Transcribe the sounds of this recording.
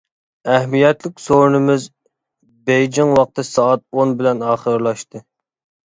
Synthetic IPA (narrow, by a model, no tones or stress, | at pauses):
æhmijɛt̪lɪkʲsoɾnɨmɪz | bɛjd͡ʒɪŋwɑq̚t̪ɨsɑːt̪̚onbɪlɛnɑːχəɾlˠɑʃt̪ɨ